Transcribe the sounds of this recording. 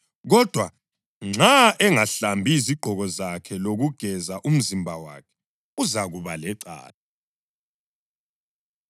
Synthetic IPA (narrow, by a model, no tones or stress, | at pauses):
ɣɔd̥ʱwa | ŋ͡ǀaʔɛŋaɬambʱiziɡ͡ǃʱɔɣɔzakʰɛloɣuɡ̥ʱɛzaʔum̩zimbʱawa̰kʰɛ̥ | uzaɣuβalɛǀa̰ːlɛ